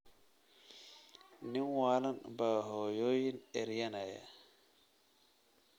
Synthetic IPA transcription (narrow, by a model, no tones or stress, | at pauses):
ninwaːlanbaɦɔjojinɛɾjanaja̰